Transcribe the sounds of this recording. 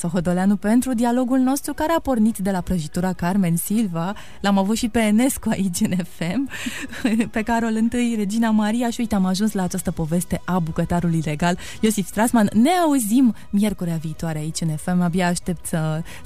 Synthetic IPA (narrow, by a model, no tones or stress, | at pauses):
so̞xo̞d̪o̞leanupe̞nt̪ɾud̪ialo̞ɡulno̞st̪ɾukaɾeapo̞rnit̪d̪e̞lapɾəʒit̪uɾakarme̞nsilva | lamavut̪ʃipe̞ːne̞skuaʔit͡ʃʲɨne̞fe̞mɨpe̞kaɾolɨnt̪ɨjre̞d͡ʒinamaɾiaʃiujt̪eamaʒunslaːt͡ʃast̪əpo̞ve̞st̪e̞ʔabukət̪aɾuluile̞ɡal | jo̞sifst̪ɾasmanːe̞auzim | mje̞rkuɾiaviːt̪waɾeait͡ʃʲɨne̞fe̞mabiaːʃt̪e̞p̚t̪sə